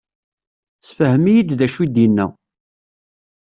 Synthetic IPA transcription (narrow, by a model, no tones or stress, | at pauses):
sfəhəmijid̪ðæʃid̪inːæ̰